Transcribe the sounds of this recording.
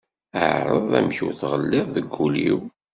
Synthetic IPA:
əʕɾˤəðˤæ̰mçuθʁəlːɪððəɡːulḭw

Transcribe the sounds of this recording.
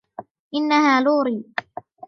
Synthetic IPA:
ʔɪnːahaːluːɾiː

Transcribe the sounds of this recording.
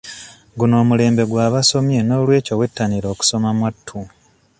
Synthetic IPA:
ɡuno̞ːmule̞ːmbe̞ɡwaːβaso̞mjeno̞ːlwe̞ːcowe̞tːaniɾo̞ːku̥so̞mamwatʰːu

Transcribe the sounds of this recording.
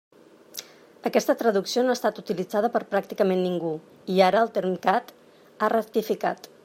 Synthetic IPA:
əkɛst̪ət̪ɾəðuksionoast̪at̪ut̪ilid͡zað̞əpəɾpɾak̚t̪ikəmenːiŋɡu | iaɾəːlˠt̪eɾmkat̪ | arəkt̪ifikat̪

